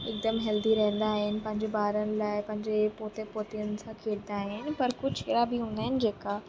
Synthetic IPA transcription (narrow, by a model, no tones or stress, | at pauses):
ɪk̚d̪əmɦɐld̪iɾɐɦə̃nd̪aːɦɪnɪ̆pɐ̃ɦɪ̃ɲd͡ʑebaːɾənɪ̆laːɪpɐ̃ɦɪ̃ɲd͡ʑepoːt̪epoːt̪iənɪ̆sãkʰeːɽd̪aːɦɪnɪ̆pɐɾkʊd͡ʑɪɾabɪɦũːnd̪aɦɪnɪ̆d͡ʑeːka